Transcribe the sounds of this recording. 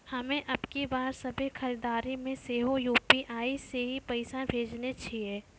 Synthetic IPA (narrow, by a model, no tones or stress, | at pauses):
hɐmẽʔɐbkibaːɾsɐbʱekʰɐɾiːd̪aːɾimẽseːɦojuːpiʔaːiseɦipɐɪsabʱeːd͡ʒnet͡ʃʰieː